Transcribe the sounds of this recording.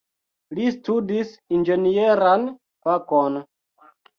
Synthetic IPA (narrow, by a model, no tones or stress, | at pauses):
listudisind͡ʒe̞nieɾan | pakon